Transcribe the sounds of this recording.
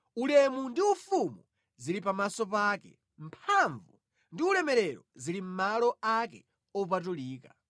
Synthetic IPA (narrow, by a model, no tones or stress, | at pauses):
ulɛmundiufumu | zilip̬amasɔp̬aːkɛ̰ | m̩pʰaɱvu | ndiulɛmɛɾɛɾɔzilim̩malɔakɛ | ɔup̬at̬uliːka̰